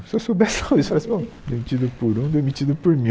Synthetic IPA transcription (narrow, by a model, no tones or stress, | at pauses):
sesobɛsãisɔlɐsbõ | d̪emit͡ʃid̪ʊpoɾũd̪emit͡ʃid̪ʊpoɾmĩ